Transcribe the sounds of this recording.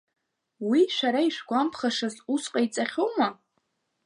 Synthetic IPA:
wiʃʷaɾaiʃʷᶣɡʷampʰχaʂazusqʼait͡sʼaχʲoma

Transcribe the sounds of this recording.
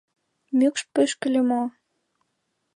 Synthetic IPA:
mykʃpøʃkə̆lʲemo

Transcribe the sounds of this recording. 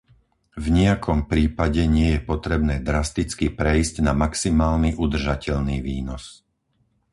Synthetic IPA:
vɲɛakʰɔmpɾiːpaɟɛɲɪɛjɛpɔt̪ɾɛbnɛːd̪ɾast̪it͡skipɾɛiscnamaksimaːlniʔud̪r̩ʒacɛʎniːʋiːnɔs

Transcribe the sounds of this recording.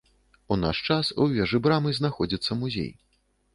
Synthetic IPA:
una̰ʂt͡ʂasuvʲɛʐɨbɾamɨznaxɔd͡zʲit̪sːɐmuzʲḛj

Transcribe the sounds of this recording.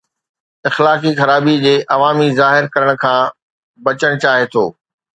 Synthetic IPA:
ɪxlaːkixɐɾaːbid͡ʑeːʔɐʋaːmizaːɦɪɾkɐɾəɽ̃ʊ̆kʰãː | bɐt͡ɕəɽ̃t͡ɕaːɦet̪ʰoː

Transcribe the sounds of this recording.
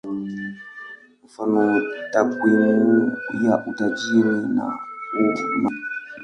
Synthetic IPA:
k̩fanɔtakwinujaʔutad͡ʒiɾina̰uma

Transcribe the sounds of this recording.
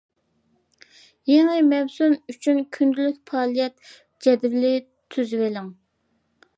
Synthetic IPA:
jeŋɨmɛwsunyt͡ʃʰynkʲʰynd̪ylykʲpʰɑːlˠijɛt̪̚ | d͡ʒɛd̪ɪblɪ | t̪ʰyzwɪlɪŋ

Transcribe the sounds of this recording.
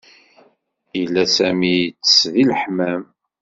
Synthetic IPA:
ilːæsæmit͡sːsðiləħmæm

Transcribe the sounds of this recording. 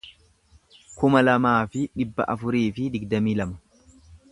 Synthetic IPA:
kʊmɐlɐmaːfɪᶑɪbːɐ̰ʔɐfʊɾiːfɪd̪ɪɡd̪ɐmiːlɐmɐ̥

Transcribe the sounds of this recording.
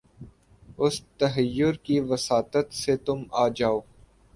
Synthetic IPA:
ʊst̪ɐɦəjːʊɾkiʋɐsaːt̪ət̪set̪ʊmaːd͡ʒaːoː

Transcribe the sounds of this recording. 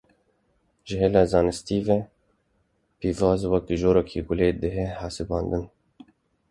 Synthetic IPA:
ʒəɦelɑːzɑːnɨst̪iːvɛ | piːvɑːzwɛkʒoːɾɔkʰiːɡʊleːd̪əɦɛhɑːsɨbɑːnd̪ɨn

